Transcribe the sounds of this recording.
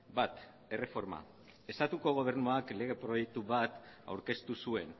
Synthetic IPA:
bat̪ | e̞re̞fo̞ɾma̰ | e̞st̪at̪uko̞ɣ̞o̞β̞e̞ɾnuakle̞ɣ̞e̞pɾo̞je̞k̚t̪uβat̪a̰wɾke̞st̪usue̞n

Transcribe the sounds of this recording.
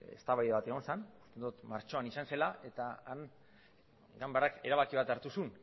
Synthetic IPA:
ḛst̪aβajðeβat̪e̞ɣ̞o̞nsanu̥st̪e̞nd̪ut̪maɾt͡ʃo̞anisanse̞laʔe̞t̪aan | ɡambarake̞ɾaβakiβat̪aɾt̪usun

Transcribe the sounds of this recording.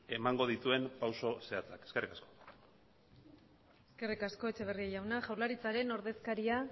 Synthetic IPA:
e̞maŋɡo̞ð̞it̪ue̞mpawso̞se̞at͡sakeske̞rikasko | eske̞rikasko̞e̞t͡ʃe̞β̞e̞riaʝawnaʝawɾlaɾit͡saɾe̞no̞ɾðe̞skaɾia

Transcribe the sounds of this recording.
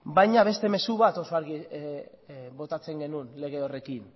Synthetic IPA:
bajɲaβ̞e̞st̪e̞me̞suβ̞at̪o̞soaɾɣi | βo̞t̪at͡se̞ŋɡe̞nunle̞ɣ̞e̞o̞re̞kin

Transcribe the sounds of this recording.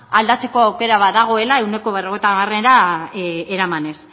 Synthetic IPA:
ald̪at͡se̞ko̞awke̞ɾaβaðaɣ̞o̞e̞lae̞wne̞ko̞β̞ero̞ɣ̞ejt̪amare̞ɾa | eɾamane̞s

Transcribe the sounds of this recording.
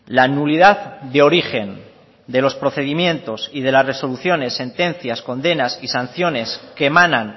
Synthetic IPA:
lanulið̞aððeo̞ɾixe̞n | d̪e̞lo̞spɾo̞θe̞ðimjẽ̞nt̪o̞sið̞e̞lasre̞so̞luθjo̞ne̞sːe̞nt̪ẽ̞n̟θjasko̞nd̪e̞nasisan̟θjo̞ne̞ske̞manãn

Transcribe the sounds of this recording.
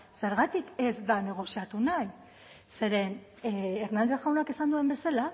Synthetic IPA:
se̞ɾɣat̪ike̞zd̪ane̞ɣ̞o̞siat̪unaj | se̞ɾe̞nː | ɾnand̪e̞sɣawnakesand̪ue̞mbe̞sala

